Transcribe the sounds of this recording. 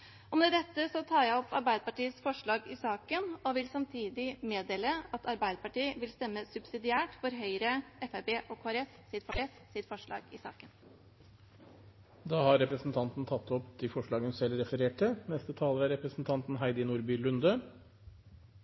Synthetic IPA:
ɔmd̪ɛd̪ɛt̪ːəsɔt̪ʰɑːɾjæɔpɑɾbæɪd̪əpɑʈiːəsfɔʂɭɑːɡɪsɑːkənɔʋɪlsɑmt̪ʰiːd̪ɪmeːd̪eːləɑt̪ʰɑɾbæɪd̪əpɑʈiːəʋɪlst̪ɛmːəsʉbsɪd̪ɪæːʈfɔɾɦœʏɾəɛfæɪbeːʔɔkʰoːæɾɛssɪt̪fɔɾɛssɪt̪fɔʂɭɑ̰ːɡɪsɑ̰ːkən | d̪ɑːhɑɾɛpɾəsn̩t̪ʰɑnt̪n̩t̪ʰɑt̪ːɔpt̪ʰɪfɔʂɭɑːɡənsɛlːɾɛfəɾeːʈɪnɛst̪ət̪ʰɑːləɾæɾɛpɾəsn̩t̪ʰɑnt̪n̩ɦæɪd̪ɪnuːɾbyːlʉnd̪ə

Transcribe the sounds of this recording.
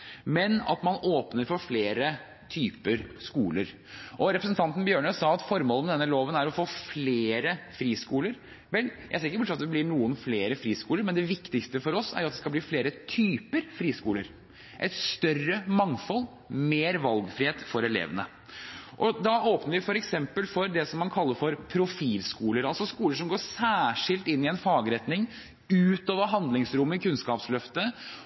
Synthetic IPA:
mɛnɑ̰t̪mɑnoːpnəɾfɔɾfleːɾə | t̪ʰyːpəɾskuːləɾ | ʔɔɾɛpɾəsn̩t̪ɑnt̪ən̩bjøːɳəsɑːɑt̪fɔɾmoːləmd̪ɛnːəloːʋənæɾɔfoːfleeːɾəfɾiːskuːləɾ | ʋɛljæ̰ɪseːɾɪkəɾbʊʂɑt̪d̪ɛblɪɳuːənfleːɾəfɾiːskuːləɾmɛnd̪ɛʋɪkt̪ɪkst̪əfɔɾɔsæ̰ɾjʊɑt̪d̪ɛskɑbliːfleːɾət̪ʰyːpəɾfɾiːskuːləɾ | ʔɛ̰ɪt̪st̪œrəmɑŋfɔlː | meːɾʋɑlɡfɾɪheːt̪fɔɾɛlḛːʋənə | ʔɔd̪ɑoːpnəɾʋɪfɔɾɛksɛmpəlfɔɾd̪ɛsɔmːɑnkʰɑlːəɾfɔɾpʰɾʊfiːlskuːləɾɑlsɔskuːləʂɔmɡoːsæːʂɪlt̪ɪnːɪɛnfɑːɡɾɛt̪nɪŋ | ʉːt̪oːʋəɾɦɑnd̪lɪŋsɾʊmːɪkʰʉnskɑːpslœft̪ə

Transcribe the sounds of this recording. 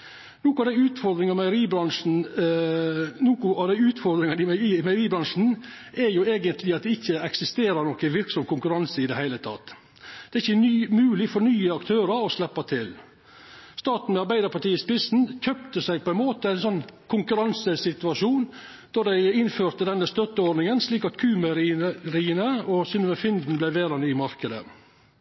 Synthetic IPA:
nuːkʊɑʋd̪æɪʉːt̪fɔɾd̪ɾɪŋɑmæəɾiːbɾɑnʂn̩ | nuːkʊɑʋd̪æɪʉːt̪fɔɾd̪ɾɪŋɑnɪiːmæɪɾiːbɾɑnʂn̩ | ʔæɾjʊeːɡənt̪ʰlɪɑt̪̚d̪ɛɪçːəɛksɪst̪eːɾəɾnɔkːəʋɪɾksɔmkʊŋkʉɾɑnsəɪd̪ɛhæɪlət̪ʰɑ̰t̪ː | d̪̥ɛɾɪçːəmʉːlɪfɔɳyːəɑkt̪ʰøːɾəɾɔslɛpːɑt̪ʰɪl | st̪ɑːt̪n̩mɛɑɾbæɪd̪əɾpɑʈiːəspɪsn̩çœpt̪əsæɪɡ̚pʰɔɛnmoːt̪əæɪnsɔnːkʰʊŋkʉɾɑnsəsɪt̪ʉɑʂuːn | d̪̥ɔd̪æɪɪnføːɾt̪əd̪ɛnːəst̪œt̪ːəɔɾɖnɪŋənsliːkɑt̪kʰʉːməɾɾiːənəɔsʏnəɛfɪnd̪n̩blæɪʋeːɾɑnyːəmɑɾkəd̪ə̰

